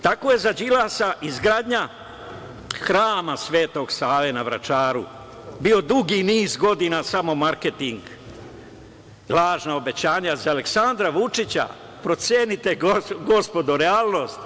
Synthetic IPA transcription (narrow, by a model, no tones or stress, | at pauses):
t̪ako̞je̞zad͡ʑilasaʔizɡɾaːd̪ɲa | xɾaːmasʋe̞ːt̪o̞ɡsaːʋenaʋɾa̰t͡ʃaːɾṵ | bio̞d̪uɡiniːzɡo̞d̪inasamo̞maɾket̪iŋɡ | laːʒnao̞be̞t͡ɕaːɲazaale̞ksand̪ɾaʋut͡ʃit͡ɕa̰ | pɾo̞t̪sjenit̪e̞ɡoɡo̞spo̞d̪oɾeaːlˠno̞st̪